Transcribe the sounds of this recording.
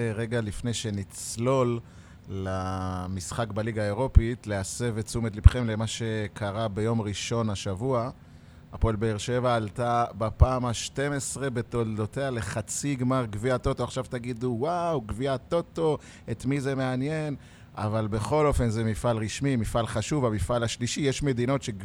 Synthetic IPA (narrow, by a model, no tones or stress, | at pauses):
eʁe̞ɡalifne̞jʃe̞nit͡slo̞lː | amisχakbaliɡaeʁo̞pitlease̞vet͡sumetlipχemle̞maʃe̞kʰaʁabe̞jo̞mʁiʃo̞naʃavua | apolbeeʁʃe̞vaːltabapaːmaʃte̞me̞sʁe̞be̞to̞ldo̞te̞ale̞χat͡siɡmaʁɡviat̪o̞to̞aχʃavtaɡid̪uwawɡviat̪o̞to̞ | etmize̞me̞anje̞n | a̰valbe̞χo̞lo̞fe̞nzemifalʁiʃmimifalχaʃuvamifalaʃliʃijeʃme̞d̪ino̞tʃe